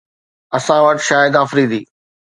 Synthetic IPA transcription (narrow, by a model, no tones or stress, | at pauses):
ɐsãʋəʈʃaːjɪd̪aːfɾiːd̪iː